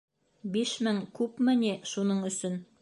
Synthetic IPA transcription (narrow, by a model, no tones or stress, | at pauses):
biʃmɘŋkʉpmɘ̆niʃunɤɴɵ̆sɵn